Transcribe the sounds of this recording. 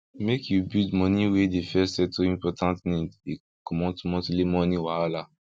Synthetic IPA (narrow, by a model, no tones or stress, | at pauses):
mekjubidmɔ̃nĩwedefɛsɛtʰoĩmpɔtʰãntnĩde | kɔmɔ̃tmɔ̃tlemɔ̃nĩwala